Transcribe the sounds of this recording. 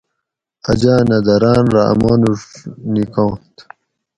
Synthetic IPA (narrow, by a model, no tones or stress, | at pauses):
ɐd͡ʑaːnɐd̪ɐɾaːnɾa̰ɐ̰moːnuʂnikõːt̪